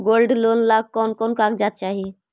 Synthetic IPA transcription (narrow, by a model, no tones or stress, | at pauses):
ɡolɖlonlaɡ̚kɔnkɔnkakd͡ʒat̪̚t͡ʃaɦi